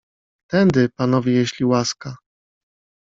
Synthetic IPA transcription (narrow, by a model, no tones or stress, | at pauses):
t̪ɛnd̪ɘpanɔvʲejeɕlʲiwaska